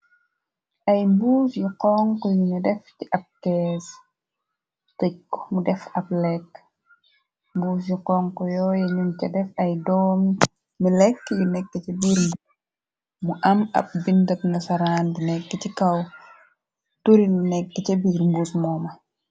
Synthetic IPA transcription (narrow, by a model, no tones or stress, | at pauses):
ʔɐjmbuːfjuqɔŋkɔjunidɛfciʔɐp̚kɛːs | tɛkːɔ̥mudɛfɐp̚lɛkː | mbuːsjuqɔŋkɔjɔːjɛɲuncɐdɛfɐjdɔːmː | ilɛkːjunɛkːəcɐbiːɾmbus | muʔɐmɐ̰p̚bindɐp̚nɐsɐɾaːnbunɛkːəcikɐw | tuɾilunɛkːəcɐbiɾmbusmɔːmɐ